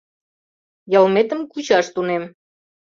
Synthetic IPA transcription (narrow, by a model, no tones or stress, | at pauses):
jəlmet̪əmkut͡ɕɑʃt̪unem